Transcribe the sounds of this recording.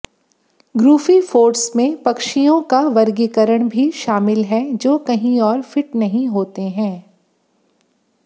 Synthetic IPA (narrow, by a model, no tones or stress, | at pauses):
ɡɾuːfifoːɾʈsmẽpɐkʃijõkaʋɐɾɡikəɾəɽ̃bʱiʃaːmɪlɦɛd͡ʒoːkɐɦĩɔːɾfɪʈnɐɦĩɦoːt̪eɦɛ̃ː